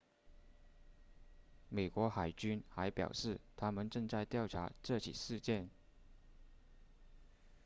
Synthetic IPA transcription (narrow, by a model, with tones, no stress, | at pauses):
me˨˩ɪkwɔ˧˥xa˨˩ɪt͡ɕy˥nxa˧˥ɪpjɑ̰˨˩ʊʂɻ̩˥˩t̪ʰa˥mə˨nʈ͡ʂɤ˥˧ŋt͡sa˥˧ɪt̪jɑ˥˩ʊʈ͡ʂʰa̰˧˥ʈ͡ʂɤ˥˩t͡ɕʰḭ˨˩ʂɻ̩˥˧t͡ɕjɛ˥˩n